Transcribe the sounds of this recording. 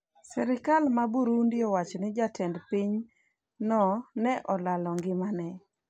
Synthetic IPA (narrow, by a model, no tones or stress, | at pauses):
sɛɾɪkalmabuɾundɪɔwat͡ʃɔnɪd͡ʒatʰɛndpiɲ | nɔnɛʔɔlalɔŋɡɪmanɛ